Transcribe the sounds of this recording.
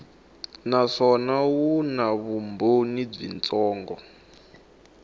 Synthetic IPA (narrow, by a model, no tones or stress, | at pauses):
naʂɔnawunaβumbonib͡ʐḭnt͡sɔːŋɡɔ̰